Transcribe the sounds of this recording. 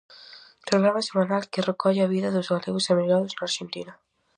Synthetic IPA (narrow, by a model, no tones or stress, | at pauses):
p̪ɾoɣɾamasemanalkɪrekɔʎaβiðɐðozɣaleɣʊsamiɣaðʊznaaɾʃent̪ina